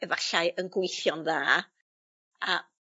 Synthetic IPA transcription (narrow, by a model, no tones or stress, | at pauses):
ɛvaɬaɨʔənɡwɪjθjɔnðaː | a